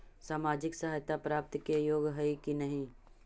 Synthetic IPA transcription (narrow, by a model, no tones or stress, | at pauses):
saːmaːd͡ʒɪksɐɦaːjt̪apɾaːp̚t̪kejoːɡɦəikinɐɦĩ